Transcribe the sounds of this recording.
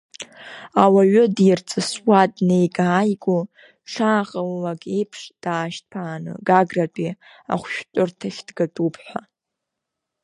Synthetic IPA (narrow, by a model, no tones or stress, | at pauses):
awaɥʏdirt͡sʼɨswadnejɡaːjɡʷʼo | ʈ͡ʂʰaːqʼəlːakʼe̞jpʰʂd̥aːʃtpʰaːnɨ̰ɡaɡratʷʼi | a̰χʷʃᶣtʷʼʊrtʰaχʲd̥ɡatʼupʰħʷa